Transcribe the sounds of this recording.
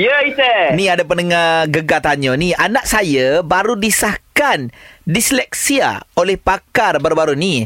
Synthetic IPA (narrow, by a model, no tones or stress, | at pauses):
jəisenĩadapənəŋaɡəɡat̪aɲɔ̃nĩʔanaʔsajabaɾudisahkandislɛk̚sia̰olɛhpakarbaɾubaɾunĩ